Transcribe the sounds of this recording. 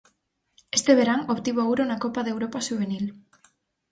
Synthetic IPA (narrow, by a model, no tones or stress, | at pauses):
est̪eβ̞eɾaŋoβt̪iβoowɾonakopaðewɾopaʃuβ̞enil